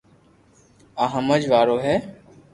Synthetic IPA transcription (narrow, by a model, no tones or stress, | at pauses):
aːɦə̃məd͡ʒʋaːɾoːɦɛː